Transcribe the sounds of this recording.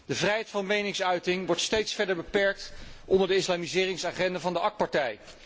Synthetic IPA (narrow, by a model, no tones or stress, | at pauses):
d̥əvrɛjɦɛjtfɑnmejnɪŋsœɥtɪŋʋɔɹtstejtsfɛɹdəɹbəpɛɹk̚tʔɔndəɹdəɪslaːmizɪːrɪŋsaːχɛndavɑndəɑk̚pɑɹtɛj